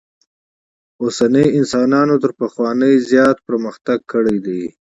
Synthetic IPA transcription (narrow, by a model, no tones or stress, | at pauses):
osanəjɪnsɑnɑnot̪əɾpaxwɑnəjzjɑt̪̚pɾməxt̪aɡ̚kʰəɽəjd̪ej